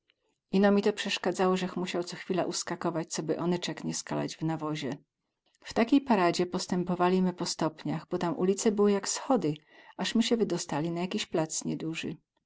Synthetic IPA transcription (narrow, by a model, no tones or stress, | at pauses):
ʔinɔmʲit̪ɔpʂɛʂkad̪zawɔʐɛxmuɕawt̪sɔxfʲila̰ʔuskakɔvat͡ɕt̪sɔbɘʔɔnɛt͡ʂɛkɲɛskala̰d͡ʑvnavɔʑɛ | ft̪akʲejpaɾad͡ʑɛpɔst̪ɛmpɔvalʲimɘpɔst̪ɔpɲaɣbɔt̪amʔṵlʲit̪sɛbɘwɘjaksxɔd̪ɘ | aʂmɘɕɛvɘd̪ɔst̪alʲinajakʲiɕplat̪sɲɛd̪uʐɘ̰